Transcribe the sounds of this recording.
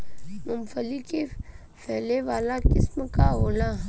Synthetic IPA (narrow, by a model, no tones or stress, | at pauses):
mʊmfəlike | fɛːleʋaːlakɪsmkaɦoːlaː